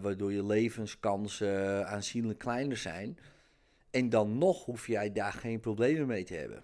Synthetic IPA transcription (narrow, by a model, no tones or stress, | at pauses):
ʋaːdʊːjəleːvənskɑnsaːnsinləkʰːlɛjnərsɛ̰jn | ɛndɔnːɔxhufjɛjdaːxeːnprobleːməmejtʰəhɛ̰bə̰n